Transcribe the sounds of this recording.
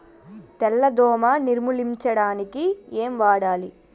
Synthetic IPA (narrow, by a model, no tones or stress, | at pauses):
t̪ɛlːɐd̪ɔːmɐniɾmuliɲt͡ʃɐɽaːnikieːmʋaːɽaːli